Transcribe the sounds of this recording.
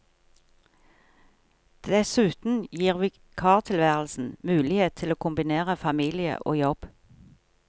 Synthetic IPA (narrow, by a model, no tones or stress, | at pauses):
d̪̥ɛsʉːt̪n̩jiːʁʋiː | kʰɑːʁt̪ʰɪlʋæːʁl̩sn̩mʉːlɪheːt̪ʰɪloːkʰʊmbɪneːʁəfɑmiːlɪə̰ʔo̰ːjɔb̥